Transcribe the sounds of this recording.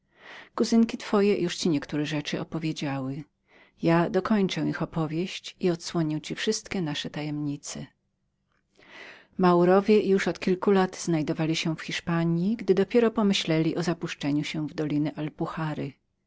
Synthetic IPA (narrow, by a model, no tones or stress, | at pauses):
kuzɘŋkʲit̪fɔjɛjuʂt͡ɕiɲɛkt̪uɾɛʐɛt͡ʂɘʔɔpɔvʲjed͡ʑawɘ | jad̪ɔkɔɲt͡ʂɛwixɔpɔvʲjeɕt͡ɕiɔt̪swɔɲiwt͡ɕifʂɘst̪kʲɛnaʂɛt̪ajɛmɲit̪sɛ | mawɾɔvʲjɛjuʂɔt̪kʲilkulat̪z̥najd̪ɔvalʲiɕɛfxʲiʂpaɲiɡd̪ɘd̪ɔpʲjɛɾɔpɔmɘɕlɛlʲiʔɔzapuʂt͡ʂɛɲuɕɛ̃vd̪ɔlʲinɘʔalpuxaɾɘ